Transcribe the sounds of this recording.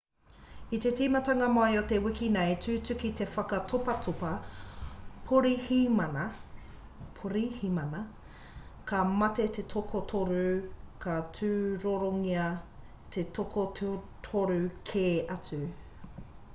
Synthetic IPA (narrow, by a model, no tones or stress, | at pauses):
it̪e̞tiːmɐtɐŋɐmoɐjot̪e̞wikinejtʉːt͡sʉkit̪e̞fɐkɐtʰopɐtʰopɐ | pʰoɾihimɐnɐ | pʰoɾihimɐnɐ | kɐmɐt̪e̞t̪e̞tʰokʰotʰoɾʉkʰɐt͡sʉːɾoɾoŋiɐ | t̪ʰe̞tokʰottʰoɾʉkʰeːɐt͡sʉ